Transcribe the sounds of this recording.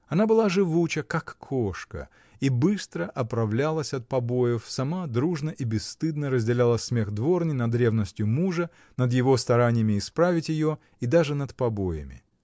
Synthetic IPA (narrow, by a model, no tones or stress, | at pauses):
ɐnabɨlˠaʐɨvut͡ɕəkakʰːoʂkə̰ | ibɨst̪ɾəʔɐpɾɐvlʲalˠəsʲɐt̪̚pɐbo̞jɪfsɐmad̪ɾuʐnəʔibʲɪsːt̪ɨd̪nəɾəzʲdʲɪlʲalˠəsʲmʲe̞xd̪vo̞rnʲɪnɐd̪ɾʲe̞vnəsʲtʲjʊmuʐə | nəd̪jɪvo̞st̪ɐɾanʲɪjəmʲɪːspɾavʲɪtʲjɪjo | id̪aʐɨnət̪pɐbojɪ̰mʲɪ̰